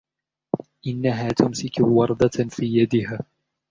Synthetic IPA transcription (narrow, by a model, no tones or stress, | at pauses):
ʔɪnːaɦaːt̪ʊmsɪkwɑɾˤd̪ɑfiːjad̪ɪɦaː